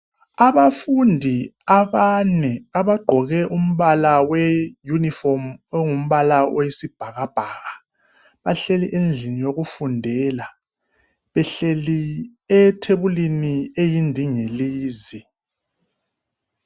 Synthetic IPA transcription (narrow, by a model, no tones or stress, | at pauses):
aβafundʱiaβanɛaβaɡ͡ǃʱɔɣɛʔum̩βalawɛjunifɔmŋum̩βalawʔojisib̥ʱaɣab̥ʱaːɣa | βaɬeliʔend͡ɮʱinijoɣufundʱɛːla | βɛɬeliɛtʰeβuliniejindʱiŋeliːzi